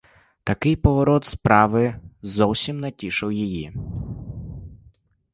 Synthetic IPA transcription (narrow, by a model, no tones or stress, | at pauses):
t̪ɐkɪjpɔɦɔɾɔt̪spɾɑʋɪzɔwsʲimnɐtʲiʃɪwjiji